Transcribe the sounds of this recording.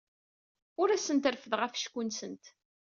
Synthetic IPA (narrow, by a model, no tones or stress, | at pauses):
ʊɾæsənt̪əɾfəðʁəfʃkːunsənt̪